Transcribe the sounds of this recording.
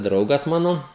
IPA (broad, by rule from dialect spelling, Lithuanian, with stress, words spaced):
ˈdrɐʊɡɐs ˈmɑːnoː